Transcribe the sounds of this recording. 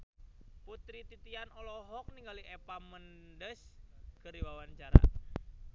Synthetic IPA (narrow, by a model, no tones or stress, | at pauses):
put̪ɾit̪it̪ianɔlɔɦɔk̚niŋɡaliʔɛpamən | dəskɨrdiwawaɲt͡ʃaɾa̰